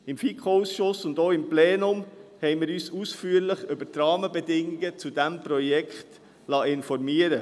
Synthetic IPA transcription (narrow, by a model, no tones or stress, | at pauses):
ɪmfiːkʰousʃʊsʊndoːɪmpleːnʊmhɛɪmɪːɾyːsusfyːəɾlɪχʏbətɾɑːməbɛdɪŋɪɡət͡sudæmpɾɔjɛkχt | lɑːɪnfɔɾmiəɾə